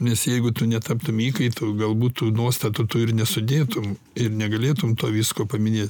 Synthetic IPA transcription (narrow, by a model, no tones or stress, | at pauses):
nʲɛsjɛɪɡʊt̪ʊnʲɛt̪ɑpt̪ʊmiːkɐɪt̪ʊɡɐlˠbuːt̪t̪ːuːnuɔst̪ɐt̪ʊt̪ʊɪɾnʲɛsʊd̪ʲeːt̪ʊm | ɪrnʲɛɡɐlʲeːt̪ʊmt̪oːʋʲiːskoːpɐmʲɪnʲeːt̪ʲ